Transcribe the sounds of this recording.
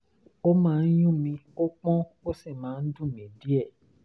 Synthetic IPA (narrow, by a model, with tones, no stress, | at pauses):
o˦mãː˨˦˧n̩˦jũ˦˨mĩ˧o˦k͡pɔ̃˦ | o˦si˦˨mãː˨˦n̩˦dũ˦˨mĩ˨˦˨di˦ɛ˦˨